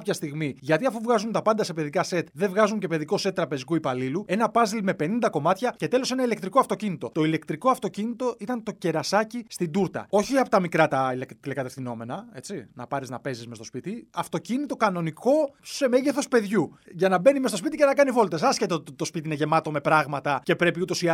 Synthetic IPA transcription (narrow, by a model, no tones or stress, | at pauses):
pçɐst̪iɣmiʝɐt̪iɐfuvɣɐzunt̪ɐpɐnd̪ɐse̞pe̞ðikɐse̞t̪ðevɣɐzuɲce̞pe̞ðiko̞set̪ːɾɐpe̞zikuipɐlilue̞nɐpɐzilme̞pe̞nind̪ɐko̞mɐt̪çɐce̞t̪e̞lo̞se̞nɐile̞kt̪ɾikoɐft̪ocinit̪o̞t̪o̞ile̞kt̪ɾikoɐft̪o̞cinit̪o̞ʔit̪ɐnt̪o̞ce̞ɾɐsɐcist̪id̪uɾt̪ɐ̰o̞çiɐpo̞t̪ɐmikɾɐt̪ɐlekt̪ilekɐt̪e̞fθino̞me̞nɐe̞t͡sinɐ̰pɐɾiznɐpe̞zisme̞st̪o̞spit̪iɐft̪o̞cinit̪o̞kɐno̞niko̞se̞me̞ʝeθo̞spe̞ðʝuʝɐnɐbe̞nimest̪opit̪iʝcenɐkɐnivo̞lt̪e̞sɐsçe̞t̪eo̞t̪it̪it̪o̞spit̪iine̞ʝe̞mɐt̪o̞me̞pɾɐɣmɐt̪ɐce̞pɾe̞piut̪o̞si